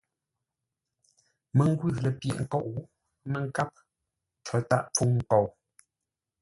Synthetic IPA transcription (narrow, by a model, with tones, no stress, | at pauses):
mə˨ŋ˦ɡwi˦˨lə˨pjḛ˨ʔŋ̩˨ko˦˨ʔ | mə˨ŋ˨ka˦p̚ | t͡ʃə˨˦ta̰˦˨ʔp͡fu˦ŋŋ̩˦˨ko˨w